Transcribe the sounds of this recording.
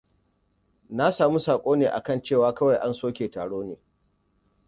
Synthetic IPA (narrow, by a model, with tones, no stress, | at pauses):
na˦saː˨mu˦saː˨kʷʼoː˦neː˨ʔa̰˨kɐ˦˨nt͡ʃeː˦˨waː˨˦kɐ˦wa˨jʔa˦nsoː˦kʲeː˨taː˨ɽoː˦neː˨